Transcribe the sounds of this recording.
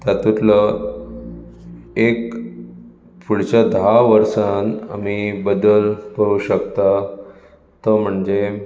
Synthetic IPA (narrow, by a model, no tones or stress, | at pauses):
t̪at̪ut̪lə | ek | puɽ̤t͡ɕad̪aʋəɾsana̰mibəd̪əlkəɾuɕəkt̪a | t̪əm̤əɳd͡ʑe